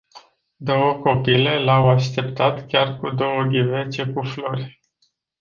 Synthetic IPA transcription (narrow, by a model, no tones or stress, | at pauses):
d̪o̞wəko̞pile̞lawaʃt̪e̞pt̪at̪kʲarkud̪o̞wəɡivet͡ʃe̞kuflo̞rʲ